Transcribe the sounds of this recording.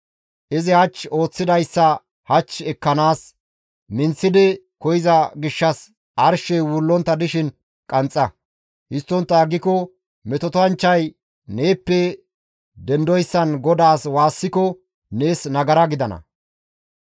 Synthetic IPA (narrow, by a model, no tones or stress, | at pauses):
ʔɪzɪhɐt͡ʃːo̞ːt͡sːɪd̪ɐjsːɐ | hɐt͡ʃːɛkːɐnaːs | mɪnt͡sːɪd̪ɪ | kɔjɪzɐɡɪʃːɐs | ʔɐɾʃɛwʊlːɔnt̪ːɐd̪ɪʃɪn | kʼɐnt͡sʼːɐ | hɪst̪ːɔnt̪ːɐːɡːɪkɔ | mɛt̪ɔt̪ɔɐnt͡ʃːɐj | ne̞ːpːɛ | d̪ɛnd̪ɔjsːɐnɡɔd̪aːswaːsːɪkɔ | ne̞ːsnɐɡɐɾɐɡɪd̪ɐnɐ̰